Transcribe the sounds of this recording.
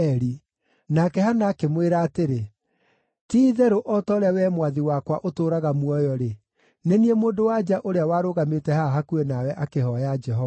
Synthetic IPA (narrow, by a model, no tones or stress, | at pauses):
ɛɾi | nakɛhanaːkemweɾaːteɾe | tiːðɛɾoʔɔtɔɾawɛmwaðiwakwaʔotoːɾaɣamwɔjɔɾe | neniemoːndowad͡ʒaʔoɾeawaːɾoɣametɛhaɦakuenawɛʔakehɔjad͡ʒɛɦɔva